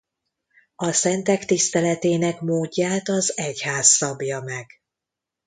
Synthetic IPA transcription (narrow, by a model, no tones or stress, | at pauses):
ɒsɛnt̪ɛkt̪ist̪ɛlɛt̪eːnɛkmoːɟːaːt̪ɒzɛchaːsːɒbjɒmɛɡ̥